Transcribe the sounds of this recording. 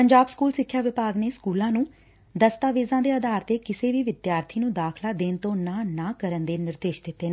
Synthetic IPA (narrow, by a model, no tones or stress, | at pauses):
pəɲd͡ʒaːbskuːlsɪkʰːjaːʋɪpaːɡneːskuːlãːnũː | d̪əst̪aːʋeːzãːd̪eːəd̪aːɾt̪eːkɪseːʋiːʋɪd̪jaːɾt̪ʰiːnũːd̪aːkʰlaːd̪eːnt̪õːnãːnaːkəɾənd̪eːnɪɾd̪eːʃd̪ɪt̪ːeː